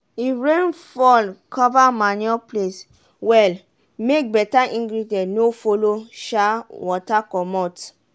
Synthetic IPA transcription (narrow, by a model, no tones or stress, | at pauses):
iɹẽnfɔlkʰɔvamanɔples | wɛl | mek̚bɛtaʔĩŋɡɾidɛ̃nofoloʃawɔtakɔmɔt